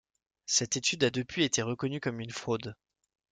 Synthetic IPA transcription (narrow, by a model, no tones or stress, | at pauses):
sɛt̪et̪yd̪ad̪əpʰɥiet̪eʁəkɔnykɔmynfχod̪